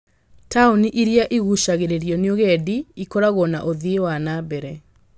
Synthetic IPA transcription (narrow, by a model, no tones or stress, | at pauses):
tauniʔiɾiaʔiɣuʃaɣeɾeɾijɔneoɣɛdiikɔɾaɣɔnaʔoðiewanabɛɾɛ